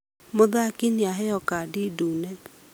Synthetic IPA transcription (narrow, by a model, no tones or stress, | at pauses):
moðakiniaɦɛɔkadidunɛ